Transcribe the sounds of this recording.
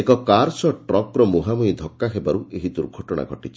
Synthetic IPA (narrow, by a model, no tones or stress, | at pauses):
ekɔkaɾsɔʈɾɔkɾɔmuɦamujd̪ʱɔkːaɦebaɾuʔeɦid̪uɾɡʱɔʈɔɽ̃a̰ɡʱɔʈit͡ʃʰi